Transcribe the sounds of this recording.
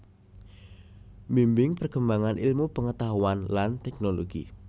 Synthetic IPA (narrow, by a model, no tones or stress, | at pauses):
mimbɪŋpərɡ̥əmbaŋanʔilmupəŋət̪aɦuanlant̪ɛknoloɡ̥ḭ